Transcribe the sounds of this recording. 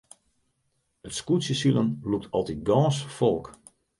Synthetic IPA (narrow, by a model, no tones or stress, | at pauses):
ətskutsjəsilˠənluk̚tʰɔlˠtit̚ɡɔ̃ːsfɔlˠk